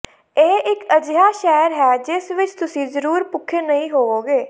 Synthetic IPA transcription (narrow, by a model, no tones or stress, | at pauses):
eːʔɪkəd͡ʒjaːʃɛːɾɦɛːd͡ʒɪsʋɪt͡ʃt̪ʊsĩːzəɾuːɾpʊkʰːeːnəɦĩːɦoːoːɡeː